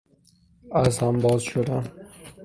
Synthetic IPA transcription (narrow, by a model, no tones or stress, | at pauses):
æzhambɒːzʃod̪æn